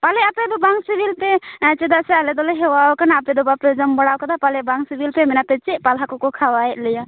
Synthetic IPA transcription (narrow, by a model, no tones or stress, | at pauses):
palɛapɛd̪ɔbaŋsibilpɛt͡ʃɛd̪asɛalɛd̪ɔlɛɦɛwawkanaːpɛd̪ɔbapɛd͡ʒɔmbɔɽawkad̪apalɛbaŋsibilpɛmɛnapɛt͡ʃɛʔ̚palɦakɔkɔkʰawajɛt̪̚lɛja